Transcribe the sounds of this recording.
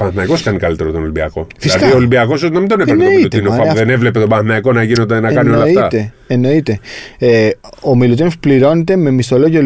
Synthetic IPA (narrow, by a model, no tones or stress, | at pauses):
pɐnθnɐiko̞skɐnikɐlit̪e̞ɾot̪onolibiɐ̰ko̞fislɐðiolibiɐko̞s̬ot̪inɐmind̪onepeɾneomiilut̪inopɐðenevle̞pe̞t̪obɐnθnɐiko̞nɐʝinod̪enɐkɐniolɐfit̪ɐt̪e | eno̞it̪e̞eomilut̪inospliɾo̞net̪e̞me̞mist̪o̞loʝol